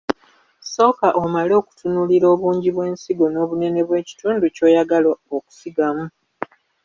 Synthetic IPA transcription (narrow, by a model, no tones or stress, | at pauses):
so̞ːkaʔomalo̞ːku̥tʰunuliɾo̞ːβuːɲɟiβwe̞ːnsiɡo̞no̞ːβune̞ne̞βwe̞ːci̥tuːnduco̞ːjaɡalooku̥siɡamu